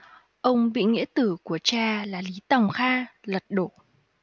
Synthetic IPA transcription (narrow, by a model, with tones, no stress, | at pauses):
ʔə˧wŋ͡mɓḭ˧˨ŋḭ˧˥ət̪ɨ˧˩ku˧˩ət͡ɕaː˧laː˨˩li˨˦t̪a˨˩wŋ͡mxaː˧lə˨˩t̚ɗo̰˧˩˨